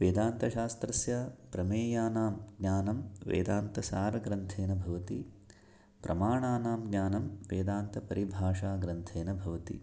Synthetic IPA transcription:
ʋeːd̪aːnt̪ɐʃaːst̪ɾɐsjaːpɾɐmeːjaːnaːmɡɲaːnɐmʋḛːd̪aːnt̪ɐsaːɾɐɡɾɐnt̪ʰeːnɐbʱɐʋɐt̪i | pɾʔɐmaːɳaːnaːmɡɲʲaːnɐmʋeːd̪aːnt̪ɐpɐɾʔibʱaːʂaːɡɾɐnt̪ʰeːnɐbʱɐʋɐt̪ḭ

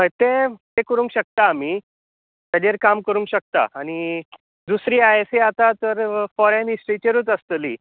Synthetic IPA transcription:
məjt̪et̪ekəɾũŋkɕək̚t̪aːm̤i | t̪ad͡ʑeɾkamkəɾũŋkɕək̚t̪a̰ːñi | d̪usɾiːaeseat̪at̪əɾfɔɾenisʈɾit͡ɕeɾuːt͡səst̪əlḭ

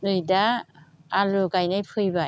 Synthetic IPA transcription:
nɯjda | aloɡajnajpʰɯjba

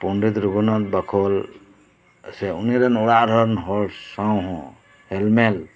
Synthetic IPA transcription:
pɔnɖit̪ɾuɡɔnɔt̪̚bakʰɔl | sɛuniɾanɔɽaʔɾɔnɦɔɾsawɦɔ̃ | hɛlmɛl

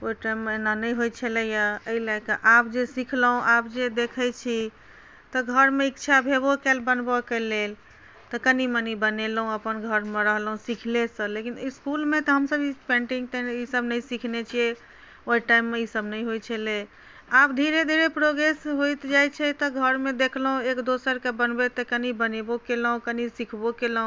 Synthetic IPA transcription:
oiʈaimːenanəjɦojt͡ʃʰəlɛjaəilaɡkəʔapd͡ʒesikʰləɦũʔapd͡ʒed̪ekʰəjt͡ʃʰi | t̪ɔɡʱəɾmeikt͡ʃʰabʱebokelbənbəkelel | t̪ɔkənimənibənelɦũəpənɡʱəɾmeɾəɦlɦũsikʰlesəlekiniskulmet̪ɔɦəmsəbipẽɳʈiŋɡt̪ɛisəbnəjsikʰnet͡ʃʰie | oiʈaimːeisəbnəjɦojt͡ʃʰɛle | abd̪ʱiɾed̪ʱiɾepɾoɡɾesɦojt̪d͡ʒajt͡ʃʰɛt̪ɔɡʱəɾmed̪ekʰlɦũekd̪osəɾkebənbet̪ekənibənebokelɦũkənisikʰbokelɦũ

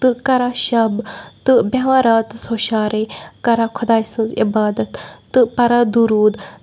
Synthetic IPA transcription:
t̪ɨkɐɾaːʃɐbt̪ɨbaãːɾaːt̪soːʃaːɾekɐɾaːkʰʊd̪aːjsɨ̃nzɪbaːd̪ɐt̪ːɨpɐɾaːd̪uɾuːd̪

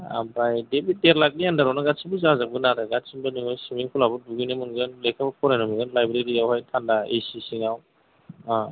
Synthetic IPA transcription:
a̰bajdebit̚deɾlak̚nijandaɾanaɡatsʰibɯzazabɯnaɾɯɡatsinbaniɦɔjsimiŋkʰulabɯduɡinamɯnɡɯnlekʰabapʰɔɾajnɔmiɡɯnlajbɾeɾiawhajtʰandaḛjsisiŋaw | a

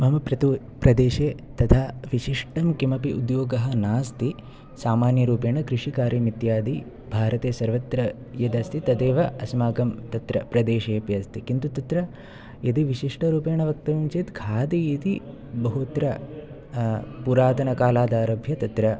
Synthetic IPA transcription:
mɐɦmɐpɾɐt̪u | pɾɐd̪eːʃeːt̪ɐt̪ʰaːʋiʃiʂʈɐmkimɐpiʔud̪joːɡɐɦɐnaːst̪i | saːmaːnjɐɾuːpeːɳɐkɾɪʂikaːɾimit̪jaːd̪i | bʱaːɾɐt̪eːsɐɾʋɐt̪ɾɐ | jɐd̪ɐst̪ʰit̪ɐd̪eːʋɐɐsmaːɡɐmt̪ɐt̪ɾɐpɾɐd̪eːʃeːpjɐst̪ikint̪ut̪ɐt̪ɾɐ | jɐd̪iʋiʃiʂʈɐɾuːpeːɳɐʋɐk̚t̪ɐʋɐmt͡ʃeːt̪kʰaːd̪ijit̪i | bɐɦut̪ɾɐ | puɾaːt̪ɐnɐkaːlaːd̪aːɾɐbʱjɐt̪ɐt̪ɾɐ

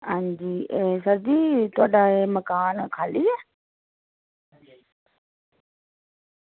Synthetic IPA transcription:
ãːɲd͡ʑiːesɐɾd̪iːt̪ʰoːɗaemɐkaːnkʰaːliɛ

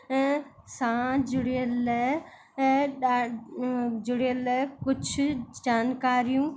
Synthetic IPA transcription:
ɛ̃ | sãd͡ʒʊɽiəl | a | d͡ʒʊɽiəlkʊd͡ʒʱd͡ʒaːnkaːɾijũː

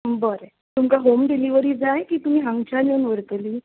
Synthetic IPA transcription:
bəɾe | t̪umkaɦomɖiliʋəɾiːd͡zajkiːt̪um̤iːɦãŋɡt͡ɕanjonʋəɾt̪liː

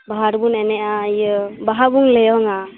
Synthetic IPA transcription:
baɦaɾbunɛnɛʔajəbaɦabuŋlejɔŋa

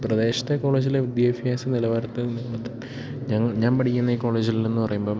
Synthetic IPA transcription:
prɐd̪e̞ːɕɐ̥t̪ːeko̞ːɭe̞ːd͡ʑileud̪jɐɐfijaːsɐnilɐʋaːɾɐt̪ːɨniŋːɐɭɐt̪ːɨ | ɲɐŋːɐɭɲaːnpɐʈʰikʲːunːɐiːko̞ːɭe̞ːd͡ʑilienːɨpɐrɐjumbo̞ː

